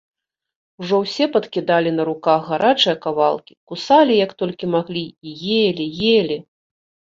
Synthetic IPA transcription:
uʐɔwsʲɛpɐt̪kʲid̪alʲinɐɾukaɣːaɾʔat͡ʂɨjɐkavalˠkʲi̥kusalʲijɐkt̪ɔlʲkʲimaɣlʲiijelʲijelʲi

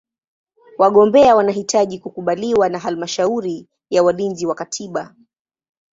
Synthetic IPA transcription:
waɠɔmbɛawanaɦitʰaʄikukuɓaliwanaɦalmaʃauɾi | jawalinziwakatʰiɓa

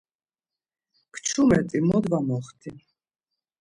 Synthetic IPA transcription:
kʰt͡ʃʰumɛt̪ʼimɔd̪vamɔχt̪ʰi

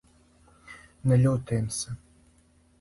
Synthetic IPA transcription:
nɛlʲut̪emsʲɐ

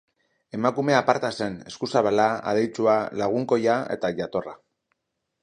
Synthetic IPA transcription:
e̞makumeapaɾt̪ase̞ne̞skusaβalaa̰ð̞ejt͡sualaɣ̞uŋko̞jae̞̰t̪aʝat̪o̞ra

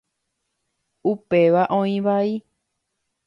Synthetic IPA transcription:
upeʋaʔõĩʋai

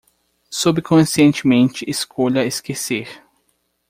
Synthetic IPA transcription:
subkõsiẽnt͡ʃɪmẽnt͡ʃɪʔeskʰoʎɐeskeseɾ

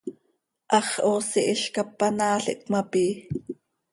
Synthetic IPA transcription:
ʔɑχʔoːsiʔiʃkɑpːɑnɑːɬɛ̰ʔkmɑpiː

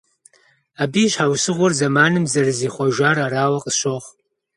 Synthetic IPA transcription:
abiʃʷħawsɨʁʷɔrzamaːnɨmzɐrɨziχʷaʒʷaːraɾaːwaqʼʃʷoχ

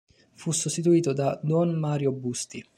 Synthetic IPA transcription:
fusust̪it̪̬uiːt̪od̪ad̪wɔnmaːɾjobust̪i

